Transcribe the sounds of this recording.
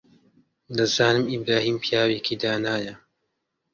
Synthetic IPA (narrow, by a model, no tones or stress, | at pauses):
d̪ɐzaːnɨmibɾaːhiːmpʰijaːweːkʰid̪aːnaːjɐ